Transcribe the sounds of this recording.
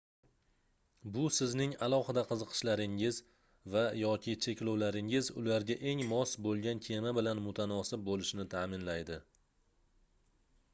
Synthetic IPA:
bʊsɪznɪŋalˠɒhɨd̪aqʰɨzɨqʰɨ̥ʃlaɾɪŋɪz | vajɒkʲʰɪt͡ʃʰe̞kʲlowlaɾɪŋɪzʊ̰laɾɡʲaʔe̞ŋmɒsbolˠɡʲankʲʰe̞mabɪlanmʊt̪ʰanɒsɪp̚bolɪʃnɪt̪ʰaːmɪnlajd̪ɪ

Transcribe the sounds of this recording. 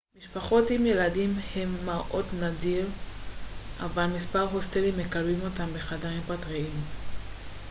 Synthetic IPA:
miʃpaχo̞timje̞ladimhe̞mːaʔo̞dnadiʁ | ʔa̰valmispaʁɦo̞stelime̞kalbimo̞tambeχadaʁimpatʁiim

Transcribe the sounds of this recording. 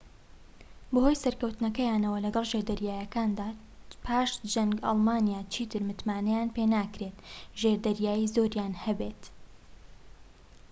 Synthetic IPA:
bɨho̞jsɐɾkɐwt̪nɐkɐjaːnɐwɐlɐɡɐlˠʒeɾd̪ɐɾjaːjɐkaːnd̪aː | pʰaːʃt̪d͡ʒɐŋɡɑ̰lˠmaːnjaːt͡ʃʰiːt̪ɨɾmɨt̪maːnɛjaːnpenaːkɾet̪ʒeɾd̪ɐɾjaːjizoɾjaːnhɐbet̪

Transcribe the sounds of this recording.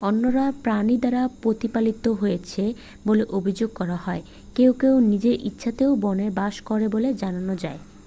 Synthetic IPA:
onːoɾapɾanid̪aɾapɾot̪ipalit̪oɦojet͡ɕʰe | boleʔobʱid͡ʑoɡ̚kɔɾaɦɔe | kewkewnid͡ʑeʔitːɕʰat̪eoʊbɔnebaʃkɔɾeboled͡ʑananod͡ʑae

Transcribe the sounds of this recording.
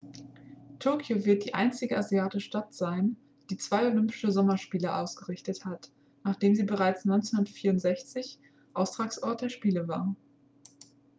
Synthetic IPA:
tʰʊɐkʰjovɪɐt̚d̥iːʔa̰ɪnt͡sɪɡəaziaːtɪʃtatz̥aɪn | d̥iːt͡sv̥aɪolʏmpɪ̥ʃəzɔmɐʃpiːləʔaʊsɡ̥əʁɪçtəthat | naːχd̥eːmziːbəʁaɪt͡snɔʏnt͡senʊnɐfiːɐʊntz̥ɛçt͡sɪç | ʔaʊstʁ̥aːksʔɔɐt̚d̥eːɐʃpiːləva̰ːɐ

